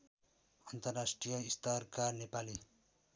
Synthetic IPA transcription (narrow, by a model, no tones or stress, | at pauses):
ant̪arasʈijaist̪arkanepali